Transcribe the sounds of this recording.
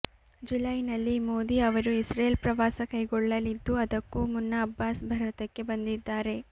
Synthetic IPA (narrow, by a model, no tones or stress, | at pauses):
d͡ʒulɐjnɐlːimoːd̪iɐʋɐɾuisɾeːlpɾɐʋaːsɐkɐjɡɔɭːɐlid̪ːuɐd̪ɐkːuːmunːɐːbːaːsbʱɐɾɐt̪ɐkːe̞bɐnd̪id̪ːaːɾe̞